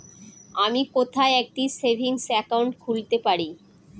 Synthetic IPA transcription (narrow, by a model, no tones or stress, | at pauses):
amikot̪ʰaeɛk̚ʈisebʱiŋsɛkauɳʈkʰult̪epaɾi